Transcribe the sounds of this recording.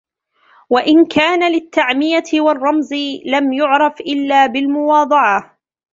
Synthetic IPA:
waʔɪnkʰaːnalɪt̪ːaʕmɪjaɪwɑrˤːɑmzlamjʊʕɾˤɑfʔɪlːaːbɪlmʊwɑːd̪ˤɑʕɑ

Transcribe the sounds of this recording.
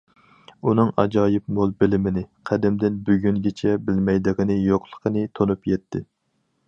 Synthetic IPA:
unɨŋɑ̰d͡ʒɑːjɪp̚molˠbɪlɪmɪnɪqʰæd̪ɪmd̪ɪnbyɡʲyŋɡʲɛt͡ʃʰɛbɪlmɛjd̪ɨʁənɨjoqlˠə̥qʰənɨt̪ʰonupjɛt̪ʰːɪ̰

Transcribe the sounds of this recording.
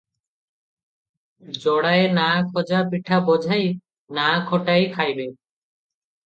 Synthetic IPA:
d͡ʑɔɽaenakʰɔd͡ʑapiʈʰabɔd͡ʑʱaj | nakʰɔʈajkʰajbe

